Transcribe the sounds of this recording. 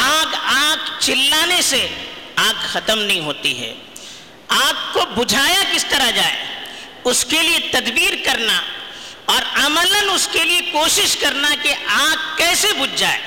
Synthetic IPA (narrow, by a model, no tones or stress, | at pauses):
aːɡaːɡt͡ʃɪlːaːneseaːɡxɐt̪əmnɐɦĩɦoːt̪ḭɦɛ̰ː | aːɡ̚kobʊd͡ʒʱaːjakɪst̪ɐɾad͡ʒaːḛ | ʊskeliet̪ɐd̪biːɾkɐɾna | ɔːɾɐmələnʊskeliekoːʃɪʃkɐɾnakiʔaːɡ̚kɛːsebʊd͡ʒd͡ʒaːḛː